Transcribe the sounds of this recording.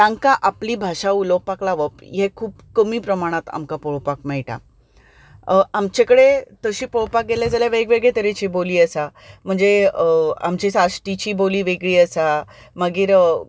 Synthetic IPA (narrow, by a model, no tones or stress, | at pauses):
ʈãŋkaʔapliːbʱaɕaulok̚paklaʋəpjekʰuːpkəmiːpɾəmaɽ̃at̪a̰mkapɔɭpakmɛjʈa̰ | amt͡ɕekəɽet̪əɕiːpoɭpak̚ɡeljad͡zaljaʋeɡʋeɡɭet̪əɾet͡ɕiːboliːəsam̤əɳd͡ze | a̰mt͡ɕisasʈit͡ɕiːboliːʋeɡɭiːəsa | məɡiːɾ